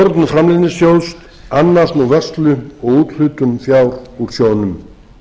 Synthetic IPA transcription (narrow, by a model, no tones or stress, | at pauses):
ɔɾt̪nʏfɾamlɪðnɪsjoːws | anːart̪nuvœr̥st̪lʏɔɣuːt̪l̥ʏːt̪ʏnfjawɾuɾ̥sjoːwnʏm